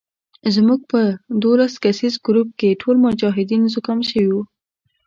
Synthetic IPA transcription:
zmuɡ̚pəd̪olaskasizɡɾup̚keʈʰolmʊd͡ʒɑɦɪd̪inzʊkɑmʃəwiwu

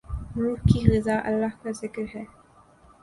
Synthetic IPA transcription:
ɾuːɦkiɣɪzaʔɐ̰lːahkazɪkɾɦɛː

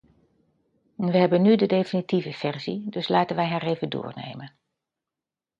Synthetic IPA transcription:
ɛnʋəɦɛbənːydədejfinitivəfɛrzidɵslaːtənʋɛjɦaːreːvəndʊ̰ːrnḛjmən

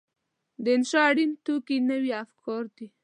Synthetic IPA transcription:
d̪əɪnʃɑaɽint̪ukinəwiafkʰɔɾd̪i

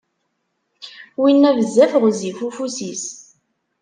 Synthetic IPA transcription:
winːævəzːæfəʁzifufusis

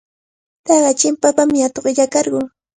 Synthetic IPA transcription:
t̪ɑɢɑt͡ʃɪmpapamɪat̪oɢɪʎakɑɾɢʊː

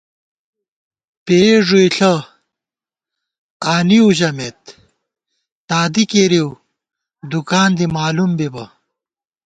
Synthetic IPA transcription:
peʐuiɬɐ | aːniuʑɐmet̪̚ | aːd̪ikeɾiw | d̪ukaːnd̪imaːlumbibɐ

